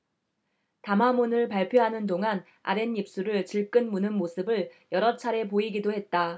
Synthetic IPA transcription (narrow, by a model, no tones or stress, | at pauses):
tamɦamunɯɭpaɭpʰjoɦanɯndoŋan | a̰ɾe̞nip̚s͈uɾɯɭt͡ɕiɭk͈ɯnmunɯnmosʰɯbɯɭjʌɾʌt͡ɕʰaɾe̞poiɡidohe̞t̚t͈a